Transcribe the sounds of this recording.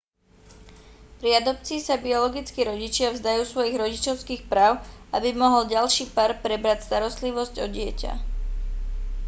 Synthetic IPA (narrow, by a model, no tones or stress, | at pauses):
pɾiad̪ɔpt͡siːsabiɔlɔɡit͡skiɾɔɟit͡ʃɪavzd̪ajuːsʋɔjiɣɾɔɟit͡ʃɔʊskiːxpɾaːʊʔabimɔɦɔlɟalʃiːpaɾpɾɛbɾacst̪aɾɔst̪liʋɔzɟɔɟɪɛca̰